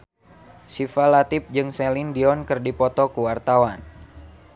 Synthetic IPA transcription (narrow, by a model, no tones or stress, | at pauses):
sifalat̪ip̚d͡ʒɨŋsɛlindiɔnkɨrdipɔt̪ɔkuwart̪awan